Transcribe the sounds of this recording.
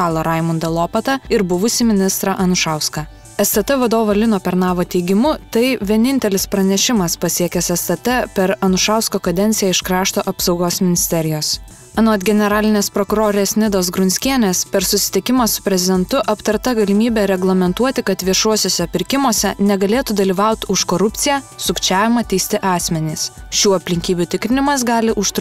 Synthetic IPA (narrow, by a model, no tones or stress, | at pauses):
ɑːlˠɐɾɐɪmʊnd̪ɐlˠoːpɐt̪ɐɪɾbʊʋʊsʲɪmʲɪnʲɪst̪ɾɑʔɐnʊʃɑˑʊskɐ | ɛst̪ɐt̪ɛʋɐd̪oːʋolʲɪnoːpʲɛɾnɑːʋoːt̪ʲɛɪɡʲɪmʊt̪ɐɪʋʲiɛnʲɪnʲt̪ʲɛlʲɪspɾɐnʲɛʃʲɪmɐspɐsʲiɛkʲɛsɛst̪ɐt̪ɛpʲɛɾɐnʊʃɑˑʊskoːkɐd̪ʲɛnʲt̪ʲɪjɛːɪʃkɾɑːʃt̪oːʔɐpsɒʊɡoːsmʲɪnʲɪsʲt̪ʲɛɾʲɪjoːs | ɐnuːt̪ʲɡʲɛnʲɛɾɑːlʲɪnʲeːspɾokʊɾoːɾʲeːsʲnʲɪd̪oːsɡɾʊnʲsʲkʲiɛnʲeːspʲɛɾsʊsʲɪ̥t̪ʲɪkʲɪmɐsʊ̥pʲɾʲɛzʲɪd̪ʲɛnt̪ʊʔɐpt̪ɐɾt̪ɐɡɐlʲɪmʲiːbʲɛɾʲɛɡlˠɐmʲɛnt̪uɔt̪ʲɪkɐt̪ʋʲiɛʃuɔsʲoːsʲɛpʲɪɾʲkʲɪmoːsʲɛnʲɛɡɐlʲeːt̪uːd̪ɐlʲiːʋɑʊt̪ʲʊʃkoːɾʊp̪ʲsʲɪjæːsʊkt͡ʃʲæːʋʲɪmɐt̪ʲɛɪsʲt̪ʲɪʔɑːsʲmʲɛnʲiːsʃʲuːɐpʲlʲɪŋʲkʲiːbʲuːt̪ʲɪkɾʲɪnʲɪmɐsɡɑːlʲɪʔʊʃt̪